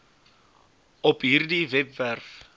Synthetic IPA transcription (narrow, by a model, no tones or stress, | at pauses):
ɔpɦiːrdivɛpværf